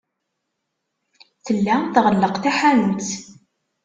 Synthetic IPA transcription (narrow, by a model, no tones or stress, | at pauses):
θəlːæθʁəlːəqθæħanənθ